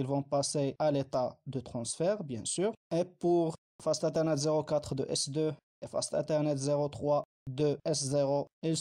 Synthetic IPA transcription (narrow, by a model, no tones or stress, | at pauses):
ilvɔ̃pasealet̪ad̪ət̪χɑ̃sfɛʁbjɛ̃syːʁepuʁ | fast̪ɛ̃t̪ɛʁnɛt̪zeʁokat̪χd̪əʔɛsd̪ø | efa̰st̪ɛ̃t̪ɛʁnɛt̪zeʁot̪χwa | d̪əɛszeʁoil